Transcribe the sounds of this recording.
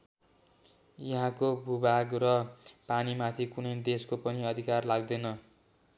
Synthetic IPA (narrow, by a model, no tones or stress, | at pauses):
jʌɦãkobʱubʱaɡrʌpanimat̪ʰikunʌjd̪eskopʌniʌd̪ʱikarlaɡd̪ʌjnʌ